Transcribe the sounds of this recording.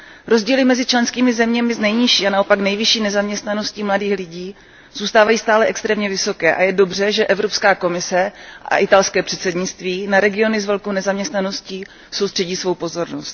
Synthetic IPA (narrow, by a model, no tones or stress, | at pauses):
ɾo̞zɟiːlɪmɛzɪt͡ʃlɛnskiːmɪzɛmɲɛmɪznɛjɲɪʃiːanaopaknɛjvɪʃiːnɛzamɲɛst̪nano̞scimladiːxlɪɟiː | z̥uːst̪aːvajiːst̪aːlɛʔɛkst̪ɾɛːmɲɛvɪso̞kɛːʔa̰jɛdo̞br̝ɛʒɛʔɛvɾo̞pskaːko̞mɪsɛʔa̰ʔɪt̪alskɛːpr̝̥ɛt̪sɛdɲɪt͡st̪viːnaɾɛɡɪo̞nɪzvɛlkownɛzamɲɛst̪nano̞sciː | so̞wst̪r̥ɛɟiːsvo̞wpo̞zo̞ɾnost̪